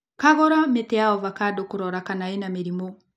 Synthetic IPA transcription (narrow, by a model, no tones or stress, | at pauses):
kaɣɔɾametɛjaɔβakadokuɾɔɾakanaenameɾimo